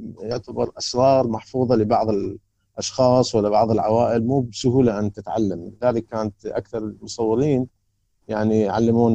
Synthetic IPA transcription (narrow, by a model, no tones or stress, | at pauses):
jʊʕt̪abɑɾˤʔɑsɾˤɑːɾˤmaħfuːðˤɑlɪbɑʕðˤɪl | ʔɑʃxɑːsˤwalːabɑʕðˤɪlʕawaːʔɪlmuːbsʊɦuːlaʔant̪ɪt̪ʕa̰lːamlɪðaːlɪkːaːnat̪ʔa̰kθɑɾˤmʊsˤɑwːɑɾiːn | jaʕnijʕa̰lːamuːn